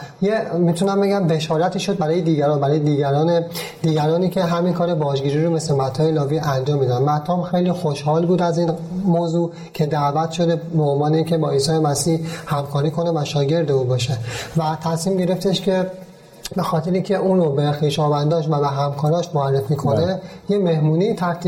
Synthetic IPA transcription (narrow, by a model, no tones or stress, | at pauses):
jemit̪ʰunæmbe̞ɡæmbe̞ʃɒːɾæt̪ʰiːʃo̞d̪̚bæɾɒːjed̪iːɟæɾɒːnbæɾɒːjed̪iːɟæɾɒːne | d̪iːɡæɾɒːniːcʰeɦæminkʰɒːɾebɒːzɡiːɾiɾobeslemæt̪ʰːɒːjelɒːviːænd͡ʒɒːmːid̪ænmæt̪ʰːɒːmxejliːxoʃhɒːlbuːd̪æziːnmoːzuː | cʰe̞d̪ævæt̪ʰʃo̞d̪ebeonvɒːne̞iːncʰe̞bɒːiːsɒːemæsiːhhæmkʰɒːɾiːkʰo̞nevæʃɒːɟe̞ɾd̪euːbɒːʃevæt̪ʰæsmiːmɟe̞ɾe̞ft̪e̞ʃcʰe̞ | be̞xɒːt̪ʰeɾeiŋcʲʰe̞ʔuːnrobexiːʃɒːvænd̪ɒːʃvæbeɦæmkʰɒːɾɒːʃmoærːefiːkʰonejeme̞hmuːnit̪ʰæɾt̪ʰi